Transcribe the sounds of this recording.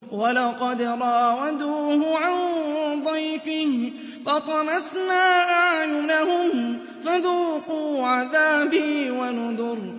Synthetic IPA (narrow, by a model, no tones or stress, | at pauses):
walɑqɑd̪ɾˤɑʔawad̪uːhʊʕand̪ˤɑjfɪh | fɑt̪ˤɑmasnaːʔaʕjʊnahʊm | faðuːquːʕaðaːbɪhwanʊðʊɾ